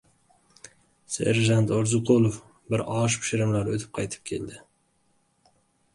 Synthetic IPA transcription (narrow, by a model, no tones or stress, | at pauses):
sḛɾʒant̪oɾzʊqʰolˠof | bɪɾɒʃpʰʊ̥ʃɪɾɪmlaɾot̪ʰɪ̥p̚qʰɑjt̪ʰɪ̥p̚kʲʰe̞̰ld̪ɪ